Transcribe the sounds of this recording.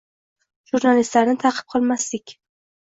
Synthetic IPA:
ʒuɾnalist̪laɾnɪt̪ʰaqʰɨ̥b̚qʰɒlˠmast̪ɪkʲ

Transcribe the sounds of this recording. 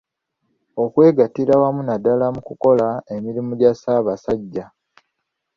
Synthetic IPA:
o̞kwe̞ːɡatiɾawamunadalamukuko̞laemiɾimuɟasaːβasaɟːa

